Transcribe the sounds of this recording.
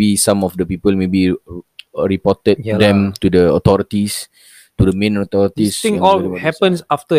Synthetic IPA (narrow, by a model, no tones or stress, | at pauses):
bisãmɔfdəpipəlmebi | ɹipɔtət̪̚dɛ̃mt̪udəɔt̪ɔɹit̪is | t̪udəmẽnɔt̪ɔɾit̪isĩŋɔlhɛpə̃nsaft̪ə